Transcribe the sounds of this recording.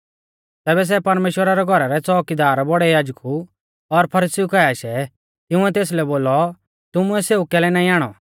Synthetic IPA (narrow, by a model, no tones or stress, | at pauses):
t̪ɛːbɛs̬ɛpɐɾmeːʃwəɾaɾɛɡʱɔɾaɾɛt͡sɔːkid̪aːɾbɔɽɛjaːd͡ʒku | ɔɾpʰɐɾiːsiukɛjaʃɛ | ɪʊ̃ɛt̪eːs̬lɛboːlɔ | t̪ʊmʊɛseːukɛːlɛnaːĩaːɽ̃ɔ̰